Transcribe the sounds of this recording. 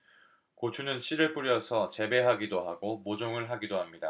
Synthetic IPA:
kot͡ɕʰunɯnɕʰiɾɯɭp͈uɾjʌsʰʌt͡ɕe̞be̞ɦaɡidoɦaɡomod͡ʑoŋɯɭɦaɡidoɦamɲida

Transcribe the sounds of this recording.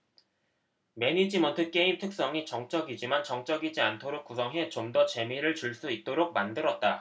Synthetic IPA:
me̞nid͡ʑimʌntʰɯk͈e̞imtʰɯk̚s͈ʌŋit͡ɕʌŋt͡ɕ͈ʌɡid͡ʑimant͡ɕʌŋt͡ɕ͈ʌɡid͡ʑiantʰoɾok̚k͈usʰʌŋɦe̞t͡ɕomdʌt͡ɕe̞miɾɯɭt͡ɕuɭs͈uit̚t͈oɾok̚mandɯɾʌt̚t͈a

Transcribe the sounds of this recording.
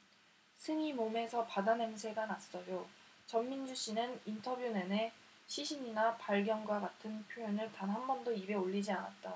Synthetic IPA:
sʰɯŋimome̞sʰʌpadanensʰe̞ɡanas͈ʌjo | t͡ɕʌmːind͡ʑuɕ͈inɯnintʰʌbjunene̞ | ɕʰiɕʰiɲinapaɭɡjʌnɡwaɡatʰɯnpʰjojʌnɯɭtanɦambʌndoibe̞oʎːid͡ʑianat̚t͈a

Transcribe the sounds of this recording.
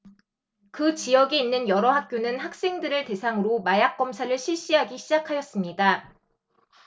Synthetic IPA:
kɯt͡ɕijʌɡiːnːɯnjʌɾʌɦak̚k͈jonɯnhak̚s͈e̞ŋdɯɾɯɭte̞sʰaŋɯɾomajak̚k͈ʌmsʰaɾɯɭɕʰiɭɕ͈iɦaɡiɕʰid͡ʑakʰajʌs͈ɯmɲida

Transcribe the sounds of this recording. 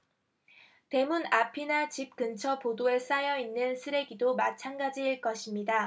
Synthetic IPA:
te̞munapʰinat͡ɕip̚kɯnt͡ɕʰʌpodoes͈ajʌinːɯnsʰɯɾe̞ɡidomat͡ɕʰanɡad͡ʑiɭk͈ʌɕʰimɲida

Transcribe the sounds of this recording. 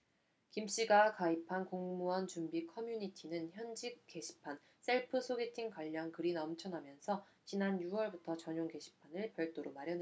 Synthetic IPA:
kimɕ͈iɡakaipʰankoŋmuʌnt͡ɕumbikʰʌmjuɲitʰinɯnçjʌnd͡ʑik̚ke̞ɕʰi̥pʰan | s͈e̞ɭpʰɯsʰoɡe̞tʰiŋkwaʎːʌŋkɯɾinʌmt͡ɕʰʌnamjʌnsʰʌ | t͡ɕinanjuwʌɭbutʰʌt͡ɕʌɲoŋɡe̞ɕʰi̥pʰanɯɭpjʌɭt͈oɾomaɾjʌne

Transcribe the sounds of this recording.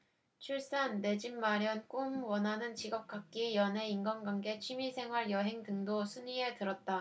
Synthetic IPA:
t͡ɕʰuɭs͈anːe̞d͡ʑinmaɾjʌnk͈umwʌnanɯnt͡ɕiɡʌp̚k͈ak̚k͈ijʌne̞inɡʌnɡwaŋɡe̞t͡ɕʰimisʰe̞ŋɦwaɭjʌɦe̞ŋdɯŋdosʰuɲie̞tɯɾʌt̚t͈a

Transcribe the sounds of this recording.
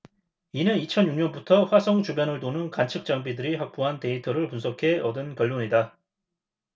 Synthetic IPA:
inɯnit͡ɕʰʌnjuŋɲʌnbutʰʌɸwasʰʌŋt͡ɕubjʌnɯɭtonɯnkant͡ɕʰɯk̚t͡ɕ͈aŋbidɯɾihak̚p͈oɦante̞itʰʌɾɯɭpunsʰʌkʰe̞ʌdɯnkjʌɭːoɲida

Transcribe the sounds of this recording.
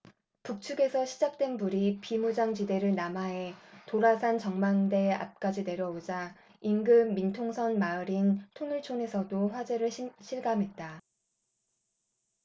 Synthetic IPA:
puk̚t͡ɕʰuɡe̞sʰʌɕʰid͡ʑak̚t͈we̞nbuɾipimud͡ʑaŋt͡ɕide̞ɾɯɭnamaɦe̞toɾasʰant͡ɕʌŋmaŋde̞a̰p̚k͈ad͡ʑine̞ɾjʌod͡ʑa | inɡɯmːintʰoŋsʰʌnmaɯɾintʰonɯɭt͡ɕʰone̞sʰʌdoɸwad͡ʑe̞ɾɯɭɕʰiɭɡamɦe̞t̚t͈a

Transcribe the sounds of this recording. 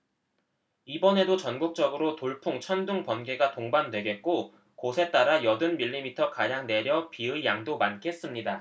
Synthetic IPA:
ibʌne̞dot͡ɕʌnɡuk̚t͡ɕ͈ʌɡɯɾotoɭpʰuŋt͡ɕʰʌnduŋpʌnɡe̞ɡatoŋbandwe̞ɡe̞t̚k͈o | kosʰe̞t͈aɾajʌdɯnmiʎːimitʰʌkajaŋne̞ɾjʌpiɯijaŋdomankʰe̞s͈ɯmɲida

